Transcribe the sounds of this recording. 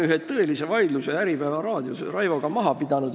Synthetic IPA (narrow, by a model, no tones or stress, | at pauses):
yɦet̪ːɤe̞lise̞vɑjd̪lusejæɾipæːvɑɾɑːd̪̥josrɑjvo̞ɡ̥ɑmɑɦɑpid̪̥ɑnud̪̥